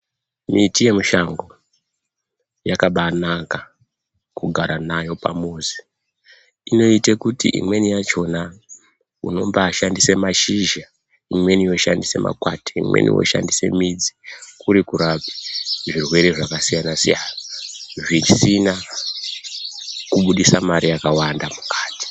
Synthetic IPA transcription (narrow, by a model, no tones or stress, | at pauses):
mitije̞muʃaŋɡo̞ | jakaɓanaka | kuɡʱaɾanajo̞pa̰moːzi̥ | ino̞itekutiʔḭmwe̞nijat͡ʃo̞na | ṵno̞mbaːʃandisemaʃiʒa | imwe̞nijo̞ʃa̰ndise̞̰mʔa̰kwate̥ḭmwḛnḭwo̰ʃa̰ndise̞̰mid͡zi̥kuɾikuɾapi̥ʐirwe̞ɾe̞ʐakasijanasḭjaːnaʐisina | kuɓuɗisamaɾijakawandamukaːti̥